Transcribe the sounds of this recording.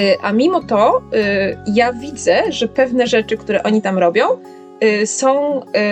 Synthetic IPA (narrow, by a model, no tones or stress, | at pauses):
ʔa̰mʲimɔt̪ɔ | javʲid̪zɛʐɛpɛvnɛʐɛt͡ʂɘkt̪uɾɛʔɔɲit̪amɾɔbʲjɔ̃w̃ | sɔ̃w̃